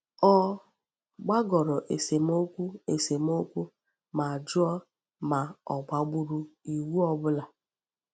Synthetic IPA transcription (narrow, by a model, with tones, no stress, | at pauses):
ɔ˦ | ɡ͡ba˦ɡɔ˨ɾɔ˨ʔe˨se˨m˦o˦kʷu˦e˨se˨m˦o˦kʷu˦ | ma˨a˨d͡ʒʊ˦ɔ˦ | ma˨ɔ˨ɡ͡ba˨ɡ͡bu˦ɾu˦i˨wu˦ɔ˦bʊ˦la˨